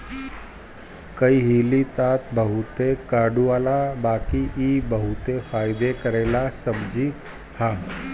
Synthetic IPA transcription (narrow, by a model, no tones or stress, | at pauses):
kəiɦiːlit̪at̪bəɦut̪ekaːɖuaːlabaːkiʔibəɦut̪efaːjd̪ekəɾelasəbd͡ʒiː | ha